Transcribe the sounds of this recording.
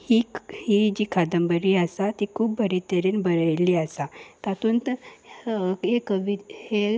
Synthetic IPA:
hihid͡ʑiːkʰad̪əmbəɾiasat̪ikʰuːbbʱəɾit̪eɾenbəɾəjliːasat̪at̪uːnt̪ | ɦekəʋihe

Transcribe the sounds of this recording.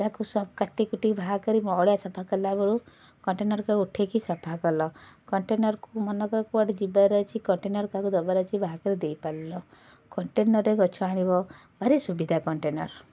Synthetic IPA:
takusɔb̚kaʈikuʈibʱaɦkɔɾimɔɭjasɔpʰakɔlabɔɽu | kɔɳʈenɔɾkɔuʈʰekisɔpʰakɔlɔkɔɳʈenɔɾkumɔnɔkɔɾkuaʈid͡ʒibaɾɔt͡ʃʰikɔɳʈenɔɾkakud̪ɔbaɾɔt͡ʃʰibʱaɦakɔɾid̪ejpallɔ | kɔɳʈenɔɾeɡɔt͡ʃʰuaɽ̃ibɔ | bʱaɾesubid̪ʱakɔɳʈenɔɾ

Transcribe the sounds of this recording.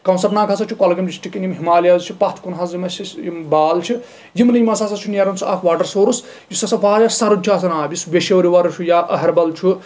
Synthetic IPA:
kɐwnsɐɾnaːkʰasɐt͡ʃʰukɔlɡɐmd͡ʒisʈikinjimɦimaːlijazt͡ʃʰupɐt̪ʰkunɦɐzimɐsisjimbaːlt͡ʃʰu | jimnɨjimɐsasɐt͡ʃʰuneɾɐnt͡sʰuʔɐkʰʋaːɾɖɐɾsoːɾus | jusɐsɐpaːjɐsɐɾut͡ʃʰaːsɐnaːbʲisʋeʃewɾiʋɐɾɐt͡ʃʰujaʔɐɦɐɾbɐlt͡ʃʰu

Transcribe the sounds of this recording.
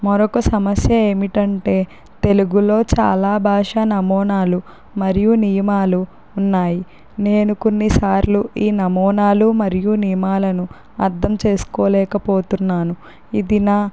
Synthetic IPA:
mɔɾɔkɐsɐmɐsjɐe̞ːmiʈɐɳʈe̞ː | t̪e̞luɡulo̞ːt͡ʃa̰ːlaːbʱaːʂanɐmɔːnaːlu | mɐɾijunijɐmaːluː | nːaːji | ne̞ːnuko̞nːisaːɾluʔiːnɐmɔːnaːlumɐɾijunijɐmaːlɐnu | ɐɾd̪ʱɐmt͡ʃe̞ːsu̥koːlɛːkɐpoːt̪unːaːnu | id̪inaː

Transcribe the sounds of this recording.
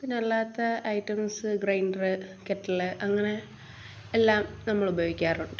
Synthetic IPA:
pinɐlːaːt̪ːɐɐjʈːɐmsɨɡrɐjnɖrɨkeʈːɐɭɨʔɐŋːɐne̞ː | lːaːmnɐmːɐɭubɐjoːɣikʲːaːruɳɖɨ

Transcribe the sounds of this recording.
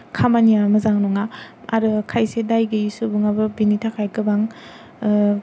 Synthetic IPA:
kʰambaniamɐzaŋnɔŋaa̰ɾɯkʰajsedajɡɯisubɯŋabɯbinitʰakʰajkɯbaŋ

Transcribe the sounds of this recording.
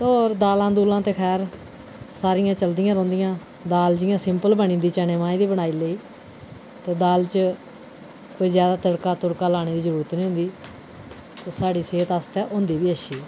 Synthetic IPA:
t̪ɔːɾd̪aːlãːd̪uːlãːt̪eːkʰɛːɾ | saːɾɪjãːt͡ʃəld̪ɪjãːɾõːnd̪ɪjãː | d̪aːld͡ʒɪjãːsɪmpəlbəɳĩːnd̪iːt͡ʃɛneːʋaːĩːd̪iːbəɽ̃aːiːləiː | t̪eːd̪aːlt͡ʃ | koːiːzjaːd̪aːt̪əɽkaːt̪ʊɽkaːlaːɽ̃eːd̪iːzəɾuːɾət̪nĩːɦʊ̃nd̪iː | t̪eːsaːɖiːseːt̪ast̪ɛːʔʊ̃nd̪iːbiːəʃiː

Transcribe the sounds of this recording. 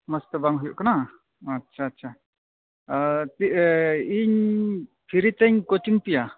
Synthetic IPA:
məst̪əbaŋɦujɔ̰ʔkanaː | tːʃʰaːtːʃʰa | t̪iiɲ | pʰiɾit̪ɛɲkot͡ʃiŋpija

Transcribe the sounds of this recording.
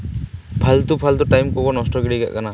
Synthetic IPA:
pʰalt̪upʰalt̪uʈajmkɔɡɔnɔsʈɔɡeɽiɡa̰ʔkana

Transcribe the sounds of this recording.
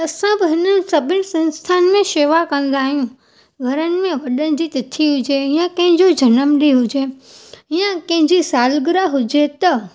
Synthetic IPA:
ɐsãbɪɦɪnənɪ̆sɐbʱɪnɪ̆sɐ̃nst̪ʰaːnmẽʃeːʋakɐ̃n̆d̪aːɦijũ | ɡʱɐɾənɪ̆mẽʋɐɗənɪ̆d͡ʑit̪ɪt̪ʰiɦʊd͡ʑeɪjãkɐ̃ɦɪ̃ɲd͡ʑod͡ʑʱɐnəmɗiɦʊd͡ʑe | ɪjãkɐ̃ɦɪ̃ɲd͡ʑisaːlɡɪɾaɦʊd͡ʑet̪ɐ

